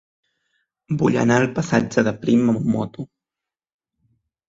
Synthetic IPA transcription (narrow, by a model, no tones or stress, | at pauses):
buʎa̰nalpasad͡ʒaðəpɾimamumːo̰t̪u